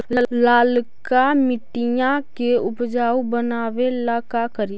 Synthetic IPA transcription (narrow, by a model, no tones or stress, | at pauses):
laːlkamɪʈijãkeʊpd͡ʒaːubənaːʋelaːkakəɾi